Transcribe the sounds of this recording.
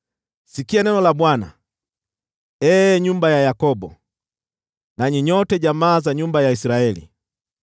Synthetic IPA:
sikianɛnɔlabwana̰ | ɛːɲumbajajakɔbɔ̰ | naɲiɲɔtɛɟamaːzaɲumbajaisiɾaɛlḭ

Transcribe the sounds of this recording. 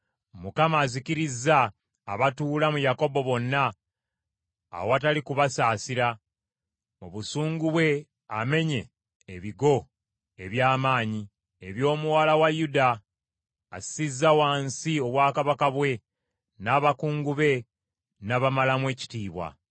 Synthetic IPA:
mukamaːziciɾizaː | βatuːlamujako̞bo̞βo̞nːa | woatalikuβasaːsiɾa | moβusuːŋɡuβwe̞ | ame̞ɲe̞ː | βiɡo̞ | e̞βjaːmaːɲi | e̞βjo̞ːmuwalawajudaː | ssizːawaːnsio̞βwaːkaβakaβwe̞ | naβakuːŋɡuβe̞ | naβamalamwe̞ːci̥tiːβwa̰

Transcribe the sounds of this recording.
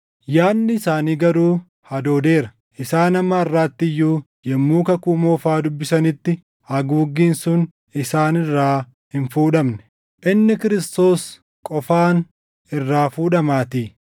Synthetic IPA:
jaːnːɪɪsaːniːɡɐɾuː | hɐd̪o̞ːd̪e̞ːɾɐ | ʔɪsaːnɐmːɐːrːaːt̪ːɪjːuː | jɛmːuːkɐkuːmoːfaːd̪ʊbːɪsɐnɪt̪ːɪ | hɐɡuːɡːiːnsʊn | ɪsaːnɪrːaː | hɪnfuːᶑɐmnɛ̥ | ʔɪnːɪkɪɾɪst̪o̞ːs | kʼɔfaːn | ɪrːaːfuːᶑɐmaːt̪iː

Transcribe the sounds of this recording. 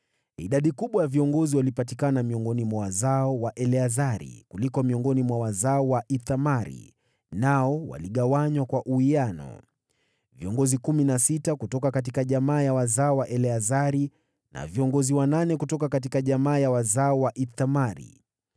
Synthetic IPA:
ḭɗaɗikuɓwajaviɔŋɡɔziwalipatikanamiɔŋɡɔnimwawazaɔwaʔɛlɛazaɾḭkulikɔmiɔŋɡɔnimwawazaɔwaʔiθamaɾḭ | naɔwa̰liɠawaɲwakwaʔuianɔ̰ | viɔŋɡɔzikuminasitakutɔkakat̬ikaʄamaːjawazaɔwaʔɛlɛazaɾi | na̰viɔŋɡɔziwananɛkutɔkakat̬ikaʄamaːjawazaɔwaʔiθamaɾḭ

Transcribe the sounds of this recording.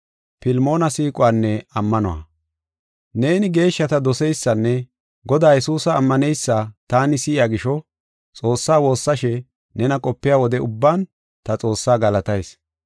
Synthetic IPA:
pɪlmo̞ːnɐsiːkʼʊwaːnːɛɐmːɐnɔ̰wɐ̰ | ne̞ːnɪɡe̞ːʃːɐt̪ɐd̪ɔsɛjsːɐnːɛ | ɡɔd̪aːjɛsuːsɐːmːɐnɛjsːat̪aːnɪsɪɪaːɡɪʃɔ | t͡sʼo̞ːsːaːwo̞ːsːɐʃɛ | nɛnɐkʼɔpːɪjaːwɔd̪ɛʊbːaːn | t̪ɐt͡sʼo̞ːsːaːɡɐlɐt̪ɐjs

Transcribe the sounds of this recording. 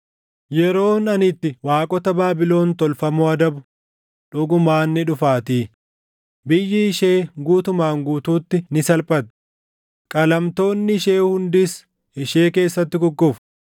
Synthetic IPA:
jɛɾo̞ːnɐnɪt̪ːɪwaːkʼɔt̪ɐbaːbɪlo̞ːnt̪ɔlfɐmoɐd̪ɐbʊ | ᶑʊɡʊmaːnːɪᶑʊfaːt̪iː | bɪjːɪːʃe̞ːɡuːt̪ʊmaːŋɡuːt̪uːt̪ːɪnɪsɐlpʼɐt̪ | kʼɐlɐmt̪o̞ːnːɪʃeːhʊnd̪ɪs | ɪʃe̞ːke̞ːsːɐt̪ːɪɡʊɡːʊf

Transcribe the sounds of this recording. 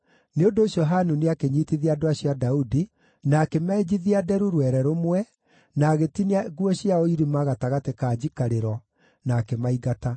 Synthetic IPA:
neondoːɕjɔɦanuneakeɲiːtiðiadoaɕiadaudi | naːkemɛd͡ʑiðiadɛɾuɾwɛɾɛɾomwɛ | naɣetineaɣuɔɕjaoiɾimaɣataɣatekad͡ʑikaɾeɾɔ | nakemaiɣata

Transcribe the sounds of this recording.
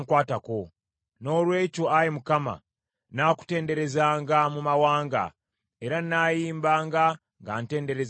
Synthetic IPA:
ŋkwaːtako̞ | no̞ːlwe̞ːcoajimukama̰ | naːku̥te̞ːnde̞ɾe̞zaːŋɡamumawaːŋɡa̰ | e̞ɾanajiːmbaːŋɡa | ŋɡante̞ːnde̞ɾez

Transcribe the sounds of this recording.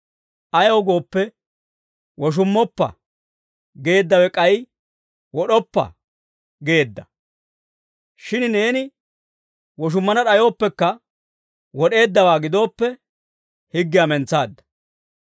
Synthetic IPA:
ʔɐjoːɡo̞ːpːɛ | wɔʃ̬ʊmːɔpːɐ̰ | ɡe̞ːd̪ːɐwɛkʼɐj | wɔɗɔpːɐ̰ | ɡe̞ːd̪ːɐ | ʃɪnne̞ːnɪ | wɔʃ̬ʊmːɐnɐɗɐjo̞ːpːɛkːɐ | wɔɗe̞ːd̪ːɐwaːɡɪd̪o̞ːpːɛ | hɪɡːɪjɐmɛnt͡saːd̪ːɐ̥

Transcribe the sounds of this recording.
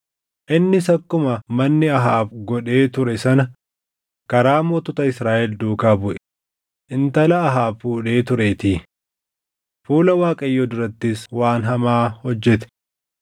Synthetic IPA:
ʔɪnːɪsɐkːʊmɐmɐnːɪɐɦaːbɡɔᶑe̞ːt̪ʊɾɛsɐnɐ | kɐɾaːmɔt̪ʊt̪ɐɪsɾaːʔɛld̪uːkaːbʊʔɛ̥ | ʔɪnt̪ɐlɐːɦaːbfuːᶑe̞ːt̪ʊɾeːt̪iː | fuːlɐwaːkʼɐjːod̪ʊɾɐt̪ːɪswaːnɦɐmaːhɔd͡ʒːɛt̪ɛ̥

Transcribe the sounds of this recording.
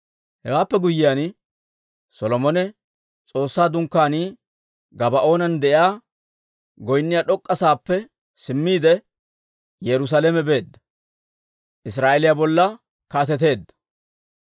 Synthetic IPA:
hɛwaːpːɛɡʊjɪjan | sɔlɔmɔnɛ | t͡sʼo̞ːsːaːd̪ʊŋkːaːniː | ɡɐbɐʔo̞ːnɐnd̪ɛʔɪaː | ɡɔjnːɪjaɗɔkʼːɐsaːpːɛ | sɪmːiːd̪ɛ | jɛɾʊs̬alɛmɛbe̞ːd̪ːɐ̥ | ʔɪs̬ɾaːʔɛlɪjabɔlːɐ | kaːt̪̬ɛt̪̬e̞ːd̪ːɐ̥

